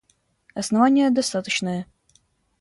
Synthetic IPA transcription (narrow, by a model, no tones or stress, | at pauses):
ɐsnɐvanʲɪjəd̪ɐst̪at̪ət͡ɕnəjə